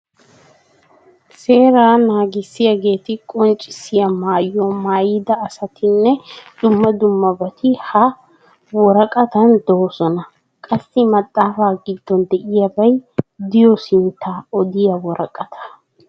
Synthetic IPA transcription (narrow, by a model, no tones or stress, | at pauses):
se̞ːɾaːnaːɡɪsːɪjaɡe̞ːt̪ɪkʼɔnt͡ʃʼːɪsːɪjɐmaːjːɔmaːjɪd̪ɐːsɐt̪ʰɪnːɛd̪̥ʊmːɐd̪ʊmːɐbɐt̪ɪhɐ | wɔɾɐkʼɐt̪ɐnd̪osɔnɐ | kʼɐsːɪmɐt̪ʼːaːfaːɡɪd̪ːɔnd̪ɛʔɪjɐbɐjd̪ɪjɔsɪnt̪ʰːaːɔd̪ɪjɐwɔɾɐkʼɐt̪ʰɐ̥